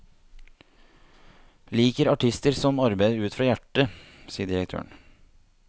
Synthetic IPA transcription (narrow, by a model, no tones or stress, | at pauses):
liːkəɾɑʈʰɪst̪əɾsɔmɑɾbæɪd̪ʉːt̪fɾɑːjæʈə | siːəɖ̪ɪɾək̚t̪ʰø̰ːəɳ